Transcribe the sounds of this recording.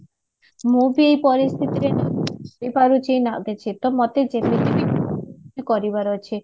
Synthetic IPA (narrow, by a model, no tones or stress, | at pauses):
mubiejpɔɾist̪ʰit̪iɾenaipaɾut͡ʃʰijnaɡet͡ʃʰit̪ɔmɔt̪ed͡ʒeted̪ibi | ikɔɾibaɾɔt͡ʃʰi